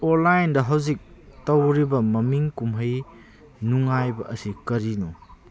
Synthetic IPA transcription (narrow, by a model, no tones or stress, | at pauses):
oɾlajndɐɦɐwzik̚ | tɐwɾibɐmɐmiŋkumɦɐj | nuŋajbɐʔɐsikɐɾinu